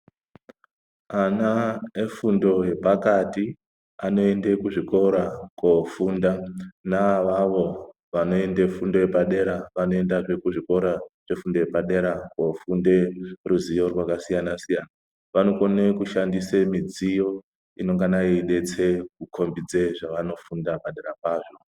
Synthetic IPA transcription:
anaefundo̞je̞pakati | ano̞e̞nde̞kuʐiko̞ɾakofundanaʋaʋo̞ | ʋano̞e̞ndefundo̞epaɗe̞ɾaʋanoe̞ndaʐe̞kuʐiko̞ɾaʐ̥e̞fundojepaɗe̞ɾakofunde̞ruzijo̞rwakasijanasijana | ʋano̞konekuʃandisemid͡zijo̞ | ino̞ŋɡanaiɗe̞t͡se̞k̚ukʰo̞mbid͡ze̞ʐaʋano̞fundapaɗeɾapaːʐo̞

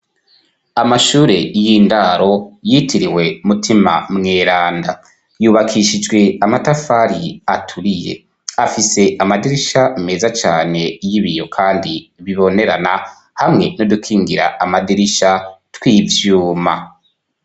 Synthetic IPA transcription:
amaʃuːɾe̞jiːndaɾo̞jitʰiɾiwe̞umutʰima̰mŋeːɾaːnda | juːβakʰiʃid͡ʒɡwe̞amatafaɾiatʰuɾije̞̰ | afise̞ʔamadiɾiʃaime̞ːzat͡ʃaːne̞jiβijo̞kʰaːndiβiβo̞ne̞ɾa̰na | hamŋe̞no̞dukʰiːŋɡiɾa̰amadiɾiʃatwiːvjuːma

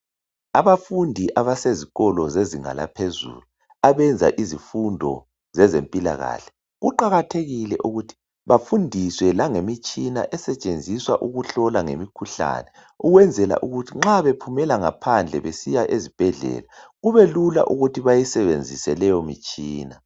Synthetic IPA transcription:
aβafundʱiʔaβaseziɣɔlɔzeziŋa̰la̰pʰezṵlu | aβɛnd͡zʱa̰ʔizifundʱɔ̰ | zɛzempʼila̰ɣa̰ɬɛ̥ | ɣuǃaɣatʰeɣilɛ̰ʔuɣutʰi̥ | βafundʱiswɛlaŋemit͡ʃʼina̰ʔɛsɛt͡ʃʼend͡zʱiswaʔuɣuɬɔlaŋḛmikʰuɬa̰nɛ | uɣwɛnd͡zʱɛla̰ʔuɣutʰiŋ͡ǁaβepʰumɛlaŋa̰pʰand͡ɮʱɛ̰βesijaʔezib̥ʱɛɮɛ̰ːlaɣuβelula̰ʔuɣutʰiβajisɛβend͡zʱisɛlɛjɔmit͡ʃʼiːna

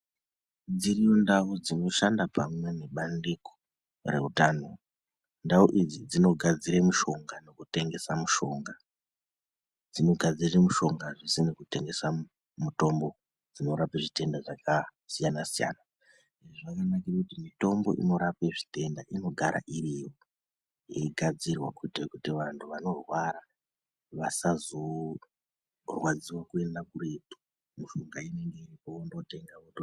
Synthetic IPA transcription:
d͡zirijundaud͡zino̞ʃandapamwe̞ne̞ɓandeko̥ | re̞̰utaːno̞ | ndauʔid͡zid͡zino̞ɡʱad͡ziɾemuʃo̞ŋɡano̞kute̞ŋɡe̞samuʃo̞ŋɡa | d͡zino̞ɡʱad͡zirimuʃo̞ŋɡaʐisinekute̞ŋɡe̞sa | muto̞mbo̞ | d͡zino̞ɾapaʐite̞ndaʐakasijanasija̰na | ʐeoʐakanakirikutimito̞mbo̞̰ʔḭno̞ɾapeʐite̞ndaʔino̞ɡʱaɾa̰ʔiriwo | ḛɡʱad͡zirwakutekutiʋantʰuʋano̞rwaɾa | ʋasazo̞ | rwad͡ziwakue̞ndakuretu̥ | muʃo̞ŋɡaine̞ŋɡe̞iripondo̞te̞ŋɡaoto

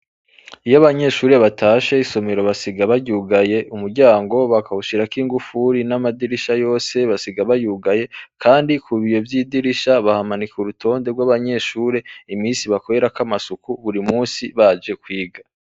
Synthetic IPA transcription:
ijaβaɲe̞ʃuːɾeβataːʃeiso̞me̞ɾoβasiɡaβaɟuːɡaje̞ʔumuɾɟaːŋɡo̞βakahuʃiɾakiːŋɡufuɾinamadiɾiʃajo̞ːse̞βasiɡaβajuɡaje̞kʰaːndikʰuβijo̞vjiːdiɾiʃaβahamanikuɾutʰo̞ːnde̞ɾɡwaβaɲe̞ʃuːɾe̞imiːnsiβako̞ɾe̞ɾakamasukuβuɾimuːnsiβad͡ʒe̞kwiːɡa

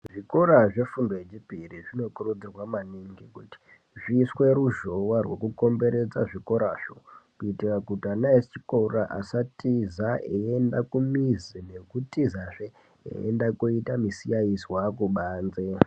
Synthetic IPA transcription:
ʐikoɾaʐe̞fundoet͡ʃipiriʐino̞kurud͡zirwamaniŋɡikuti̥ | ʐiswe̞ɾuʒo̞warwe̞̰kuko̞mbe̞ɾe̞d͡zaʐiko̞ɾaʃo̰kuitikakutianaest͡ʃikouraʔa̰satizaeendakumizine̞kutizaʐe | ḛḛndakuitamisiaisiwakuɓaːnze

